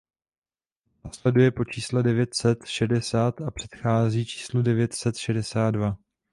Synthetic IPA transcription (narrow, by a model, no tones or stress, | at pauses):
naːslɛdujɛpo̞t͡ʃiːslɛdɛvjɛt̪sɛt̪ʃɛdɛsaːt̪apr̝̥ɛ̥t̪xaːziːt͡ʃi̥ːsludɛvjɛt̪sɛt̪ʃɛdɛsaːt̪̚dva